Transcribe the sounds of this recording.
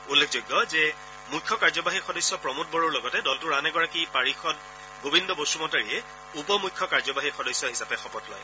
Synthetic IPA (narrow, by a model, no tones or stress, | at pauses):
ulːekʰzojɡːɔzɛ | mujkʰːɔkaɹzɔbaɦixɔdɔjsɔpɹɔmut̚bɔɹɔɹlɔɡɔtɛdɔltʊɹanɛɡɔɹakipaɹixɔt̚ | ɡobindɔbosumɔtaɹiɛ | upɔmujkʰːɔkaɹzɔbaɦixɔdɔjsːɔɦisapɛxɔpɔtlɔ̰j